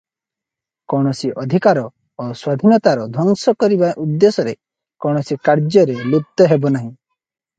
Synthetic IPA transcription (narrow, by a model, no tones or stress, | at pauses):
kɔɽ̃ɔsiʔɔd̪ʱikaɾɔ | oswad̪ʱinɔt̪aɾɔd̪ʱwɔŋsɔkɔɾibaʔud̪ːesɔɾe | kɔwɽ̃ɔsikaɾd͡ʒjɔɾelut̪ːɔɦebɔnaɦĩ